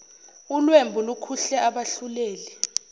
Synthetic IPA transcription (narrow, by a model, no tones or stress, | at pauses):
ulwembʱulukʰuɬɛʔaɓaɬuleːli